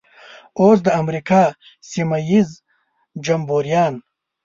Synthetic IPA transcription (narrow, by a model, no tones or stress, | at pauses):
oːs̬d̪əamɾikaː | simajiz | d͡ʒambuɾjɑːn